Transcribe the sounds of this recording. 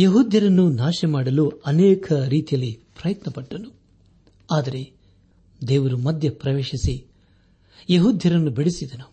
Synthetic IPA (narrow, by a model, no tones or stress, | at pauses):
jɐɦuːd̪ʱjɐɾɐnːunaːʃɛmaːɽɐluɐnɛːkʰɐɾiːt̪ijɐlːipɾɐjɐt̪nɐpɐʈːɐnu | aːd̪ɐɾe̞ | d̪eːʋɐɾumɐd̪ʱjɐpɾɐʋeːʃisi | jɐɦuːd̪ʱjɐɾɐnːubiɽisid̪ɐnu